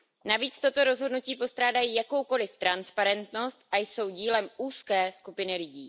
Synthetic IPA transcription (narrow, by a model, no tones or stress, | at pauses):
naviːt͡st̪o̞t̪o̞ɾo̞zɦo̞dnuciːpo̞st̪ɾaːdajiːjako̞wko̞lɪft̪ɾanspaɾɛnt̪no̞st̪ʔajso̞wɟiːlɛmuːskɛːskupɪnɪlɪɟiː